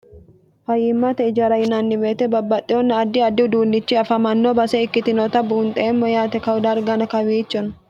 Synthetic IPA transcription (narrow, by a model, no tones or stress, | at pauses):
fɐjːɪmːɐt̪ɛɪd͡ʒɐɾɐjɪnanːɪmeːt̪ɛbɐbːɐt̪ʼːɪɔnːɐːd̪ːɪɐd̪ːɪʊd̪uːnːɪt͡ʃːɪɐfɐmɐnːoːbɐsɛɪkːɪt̪ɪnot̪ɐbuːnt̪ʼɛɛmːɔjaːt̪ɛkɐwʊd̪aɾɡɐnɐkɐwiːt͡ʃːɔn